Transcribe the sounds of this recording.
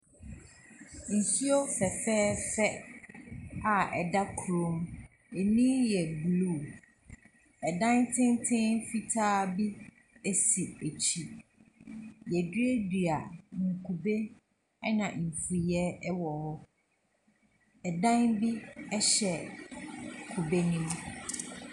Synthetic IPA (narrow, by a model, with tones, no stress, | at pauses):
n̩˨su˦o˦fɛ˨fɛː˦fɛ˦ | a˨ɛ̰˨da˦kʰu˨ɾõ˨˦m | e˨nĩ˦jɛ˨blu˦˨ | ɛ˨dã˦ntʰɪ̃˦ntʰɪ̃˦fi˦tʰaː˦bi˦ | e˦si˨e˨t͡ɕʰi˦ | jɛ˨di˦e˦di˨a˨ŋ̩˨kʰu˨be˦ | ɛ˦nã˨m̩˨fu˨jɛ˦ɛ˦wɔ˨hɔ˦ | ɛ˨dã˦nbi˦ɛ˦ɕɛ˨ | kʰu˨be˦nĩ˦m